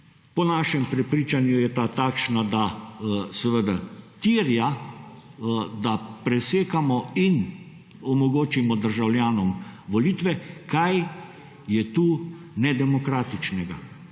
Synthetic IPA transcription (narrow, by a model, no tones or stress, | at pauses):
pɔnaʃɛmpɾɛpɾiːt͡ʃanjujɛt̪aːt̪aːkʃnad̪asɛʋəd̪at̪iɾja | d̪apɾɛseːkamɔin | ɔmɔɡoːt͡ʃimɔd̪əɾʒawljaːnɔmʋɔliːt̪ʋɛkaj | jɛt̪uː | nɛd̪ɛmɔkɾaːt̪it͡ʃnɛɡa